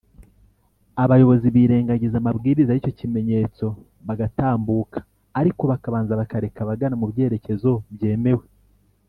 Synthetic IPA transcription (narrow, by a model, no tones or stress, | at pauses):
aβajo̞βo̞ziβiːɾe̞ːŋɡaɟizamabɡiːɾizaɾico̞cime̞ɲe̞t͡so̞ | βaɡataːmbuːkḁː | ɾiko̞βakaβaːnzaβakaɾe̞kaβaɡanamuβɟe̞ːɾe̞ce̞zo̞bje̞ːme̞we